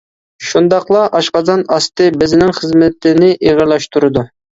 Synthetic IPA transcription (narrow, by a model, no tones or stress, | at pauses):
ʃund̪ɑqlˠɑʔɑʃqɑzɑnɑst̪ɨbɪzɪnɪŋχəzmɪt̪ʰɪnɪʔeʁəɾlˠɑʃt̪ʰuɾɨd̪u